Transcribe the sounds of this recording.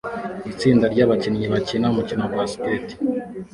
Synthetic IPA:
it͡siːndaɾɟaːβacinɲiβacinamucinoɡwasi̥keti̥

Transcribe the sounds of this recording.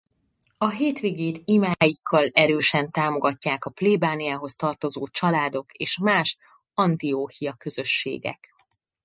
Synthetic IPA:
ɒɦeːt̪ʋeːɡeːt̪imaːjikʰːɒlɛɾøːʃɛnt̪aːmo̞ɡɒcːaːkɒpleːbaːnijaːɦo̞st̪ɒrt̪o̞zoːt͡ʃɒlaːd̪o̞keːʃmaːʃ | ɒnt̪ioːhijɒkø̞zø̞ʃːḛːɡɛ̰k

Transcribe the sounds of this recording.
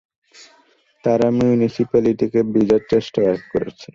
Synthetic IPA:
t̪aɾamiunisipaliʈikebid͡ʑaɾt͡ɕesʈaɛkkoɾḛt͡ɕʰi

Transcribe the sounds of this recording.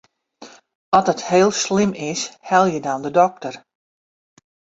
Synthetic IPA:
ɔtətheːlˠslɪmɪshɛlˠjədɔndədɔk̚tər

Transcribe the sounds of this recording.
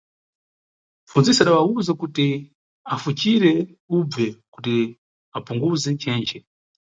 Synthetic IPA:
funzisiaɗawauzakuti | afut͡ʃiɾɛ | ub͡vɛkut̬i | apuŋɡuzɛt͡ʃɛːnt͡ʃɛ

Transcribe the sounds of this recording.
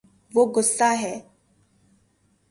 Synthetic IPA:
ʋoɡʊsːaːɦɛː

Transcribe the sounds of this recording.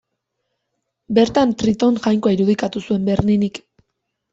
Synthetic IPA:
be̞ɾt̪ant̪ɾit̪o̞ŋʝajŋkoaiɾuð̞ikat̪usue̞mbe̞ɾninik

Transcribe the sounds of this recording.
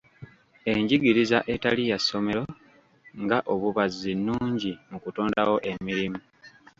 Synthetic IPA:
e̞ɲɟiɡiɾizaʔe̞talijasːo̞me̞ɾo̞ | ŋɡaʔo̞βuβazːinːuːɲɟimukuto̞ːndawo̞ʔe̞miɾimu

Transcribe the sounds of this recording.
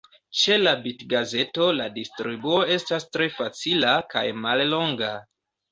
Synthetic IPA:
t͡ʃe̞labitɡaze̞to̞ladistɾibuo̞e̞stastɾe̞fat͡silaka̰jmallo̞ŋɡa

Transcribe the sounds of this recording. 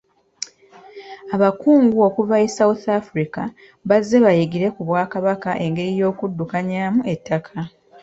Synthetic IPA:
aβakuːŋɡuo̞kuvaesawuθafuɾika | βazːe̞βajeɡiɾe̞kuβwaːkaβakaʔe̞ŋɡe̞ɾijo̞ːkudːukaɲaːmue̞tːakʰa

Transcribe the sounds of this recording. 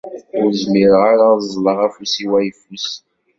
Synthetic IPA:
ʊɾzmiɾʁaɾazˤləʁæfusiwæjfus

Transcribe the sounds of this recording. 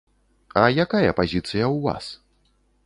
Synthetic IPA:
ɐjakajɐpazʲit̪sɨjɐwva̰s

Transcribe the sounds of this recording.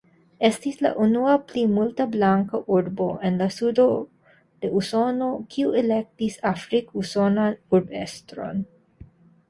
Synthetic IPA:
ʔɛst̪islɐ̰ʔunuaplimult̪ɐblaŋkoʔuɾboʔɛ̃nlasud̪o | d̪̥eʔusonokʰuɛlɛk̚t̪isafɾikusonauɾbɛ̰st̪ɾõ̰n

